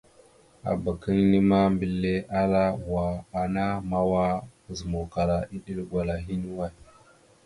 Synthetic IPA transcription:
a̰˨ba˨ki˦ŋni˦ma˦mbi˨lːe˦ʔa˦la˦wa˨a˨na˦ma˦wa˦˨zi˨mo˨ka˨ɾa˨i˦ɗi˦lɡʷa˨la˨ɦi˦ni˦wa˦j

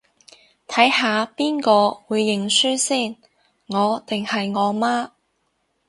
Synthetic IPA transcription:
t̪ʰɐ˨˥jɦaː˨˧piː˥nkɔː˧wuː˨˧jːɪ˨ŋsyː˥siː˥˩n | ŋɔː˨˧t̪ɪ˨ŋhɐ˨jŋɔː˨˧maː˥

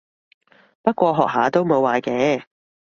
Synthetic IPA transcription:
pɐ˥t̚kʷɔː˧ɦɔ̰ː˨k̚ɦa̰ː˨˥t̪o˥wmo˨˧wːaː˨˧kɛː˨˥

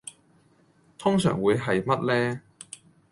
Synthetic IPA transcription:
t̪ʰʊ˥ŋsœ̰ː˨˩ŋwuː˨˧jɦɐ˨jmɐ˥t̚lɛː˥

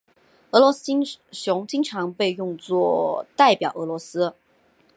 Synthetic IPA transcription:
ɤ˧˥lwɔ˧˥si˥nɕjʊ˧˥ŋt͡ɕi˥ŋʈ͡ʂʰɑ˧˥ŋpe˥˧ɪjʊ˥˧ŋt͡swɔ˥˩t̪a˥˩ɪpjɑ˨˩ʊʔɤ˧˥lwɔ˧˥sɹ̩˥

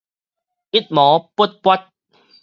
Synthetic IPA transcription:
ʔi˦t̪̚mɔ˨˦pə˦˥t̪̚pwa˦˥t̪̚

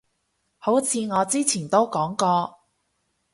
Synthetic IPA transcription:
ho˨˥wt͡sʰiː˨˧ŋɔː˨˧t͡siː˥t͡sʰiː˨˩nt̪o˥wkɔː˨˥ŋkɔː˧

